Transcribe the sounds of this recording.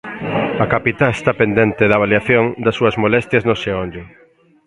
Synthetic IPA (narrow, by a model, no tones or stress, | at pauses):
ɐkapit̪aest̪apend̪ɛnt̪ɪðɐβ̞aljaθjoŋd̪ɐsːuɐzmolɛst̪jɐznoʃeɔnd͡ʒe